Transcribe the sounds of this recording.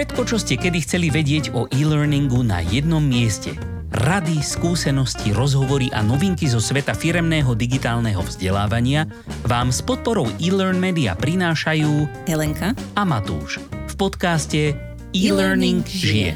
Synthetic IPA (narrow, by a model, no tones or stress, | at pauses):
fʃɛt̪kɔt͡ʃɔscɛkɛd̪ixt͡sɛliʋɛɟɪɛɟɔʔiːlɛɾniŋɡuna̰jɛd̪̚nɔmːɪɛscɛ̰ | ɾad̪iskuːsɛnɔsciɾɔzɦɔʋɔɾiʔa̰nɔʋiŋkizɔsʋɛt̪afiɾɛmnɛːɦɔd̪iɡit̪aːlnɛɦɔ̰vzɟɛlaːʋaɲɪa | ʋaːmspɔt̪̚pɔɾɔʊʔiːlɛɾnmɛːd̪ia̰pɾinaːʃajuː | ɛlɛŋkaamat̪ṵːʃfpɔt̪kascɛ | iːlɛɾniŋɡʒiɛ̰